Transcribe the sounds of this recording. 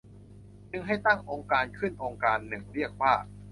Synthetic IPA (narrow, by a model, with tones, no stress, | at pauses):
nɯ˧˩ŋɦa˥˩jt̪a˥˩ŋʔoː˧ŋkaː˧nkʰɯ˥˩nʔoː˧ŋkaː˧nːɯ˨˩ŋɾi˥˩ək̚paː˥˩